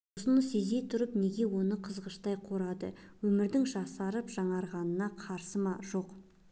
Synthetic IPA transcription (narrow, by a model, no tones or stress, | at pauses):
sənəse̞ze̞t̪ʰʊɾəpne̞ɡʲe̞wo̞nəqʰəzʁəʃt̪ɑjqʰo̞ɾɑd̪əwɵmɪɾd̪ɪŋʒɑsɑɾəpʒ̥ɑɴɑɾʁɑnənɑqʰɑɾsəmɑʒo̞q